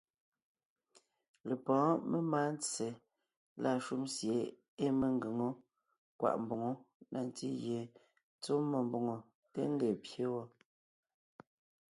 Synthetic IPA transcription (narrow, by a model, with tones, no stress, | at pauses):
le˨pɔ̃ː˨˦me˦ma˦n˦t͡se˨ | la˦˨ʃu˦msje˨˦ | e˦me˦ŋ˦ɡe˨ŋo˦ | kwa̰˨ʔm˨bo˨ŋo˦na˨n˦ti˦je˨ | t͡so˦mo˨mbo˨ŋo˨ | tḛ˦ŋ˦ɡe˨pje˦wɔ˦